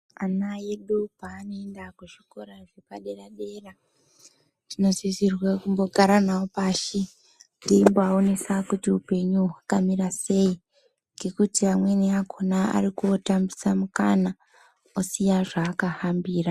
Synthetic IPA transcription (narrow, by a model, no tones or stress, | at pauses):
anajeɗupaːnoendakuʃiko̞ɾaʐepaɗeraɗe̞ra | tino̞zisirwekumbo̞ɡʱaɾanaopaːʃi | ndimboaonesakutiupe̞ɲuwakamiɾase̞i | ŋɡe̞kutiamwe̞niakʰonaa̰rikuotambisamuka̰na | osijaʐaːkahambiːra